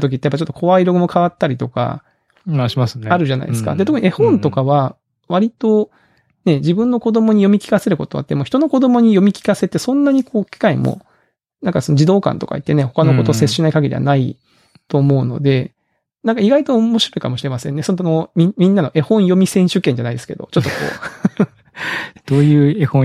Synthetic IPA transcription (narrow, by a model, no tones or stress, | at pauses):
t̪ok̬it̪ːejapːat͡ɕo̞t̪ːokʰo̞βaiɾo̞ɡɯ̟mo̞kʰaβat̪ːaɾʲit̪oka̰ | saɾɯ̟ʑana̰ḭd̪esɨ̥ka̰d̪eo̞kɯ̟iehõ̞nt̪o̞kaβa | βaɾʲit̪o̞ | ne̞d͡ʑibɯ̟̃nːo̞ko̞d̪o̞mo̞ɲ̟ijo̞mʲikʲi̥kase̞ɾɯ̟ko̞t̪o̞a̰t̪ːemo̞çi̥t̪o̞no̞ko̞d̪o̞mo̞ɲ̟ijo̞mʲikʲi̥kase̞t̪ːe̞sõ̞nːaɲ̟ikʰo̞ːkʲi̥kaimo̰ | nãŋkasonod͡ʑid̪o̞ːkã̰nt̪oka̰it̪ːe̞ne̞ho̞kano̞ko̞t̪o̞sesɕinaikaɡed̪ʲiβa̰nai | t̪o̞ːmo̞ɯ̟no̞̰d̪e̞ | nãŋkaiɡait̪o̞ːmo̞ɕiɾo̞ikamo̞ɕiɾe̞masẽ̞nːe̞sonomʲimʲĩnːano̞ʔe̞hõ̞ɰ̃jo̞mʲisẽ̞ɕɨkːeɲ̟d͡ʑanaid̪e̞sɨ̥ke̞d̪o̞̰t͡ɕo̞t̪ːo̞ko̰ː | dd̥̪oːjɯ̟ːehõ